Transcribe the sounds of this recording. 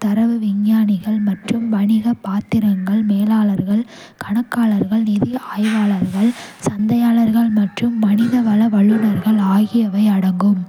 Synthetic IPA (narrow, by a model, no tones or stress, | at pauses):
t̪ɐɾɐʋɯʋɪɲjaːnɪɣɐɭmɐʈrɯmʋɐnɪɣɐpaːt̪ːɪɾɐŋɡɐɭmeːlaːɭɐɾɣɐɭ | kɐɳɐkːaːɭɐɾɣɐɭnɪðɪaːjʋaːɭɐɾɣɐɭsɐnd̪ɐjaːlɐɾɣɐɭmɐʈrɯmːɐnɪðɐʋɐlɐʋɐɭːɯnɐɾɣɐɭaːɣɪjɐʋɐɪɐɽɐŋɡɯm